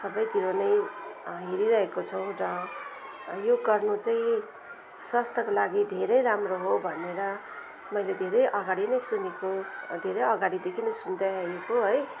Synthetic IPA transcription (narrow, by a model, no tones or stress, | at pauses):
sʌbʌjt̪iɾonʌjɦiɾiɾʌɦekot͡sʰʌw̃rʌ | joɡʌrnut͡saĩ | swʌst̪ʰʌkolaɡid̪ʱeɾʌjɾamroɦobʱʌneɾʌ | mʌjled̪ʱeɾʌjʔʌɡaɽinʌjsunekod̪ʱeɾʌjʌɡaɽid̪ekʰinʌjsund̪aʌekoɦʌj